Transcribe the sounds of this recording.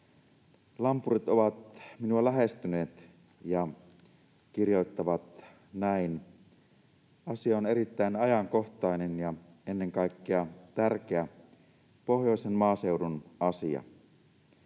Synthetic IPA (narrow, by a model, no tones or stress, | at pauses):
lɑmpurit̪o̞ʋɑt̪minuɑlæɦest̪yne̞ːt̪ | jɑ | kirjo̞it̪ːɑʋɑt̪ | næin | ɑsiɑone̞ɾit̪ːæinɑjɑŋko̞ht̪ˑɑinenjɑ | enːe̞ŋkɑikːeɑt̪ærk̟eæ | po̞ɦjo̞ˑisenmɑːse̞uwdunɑsiɑ̰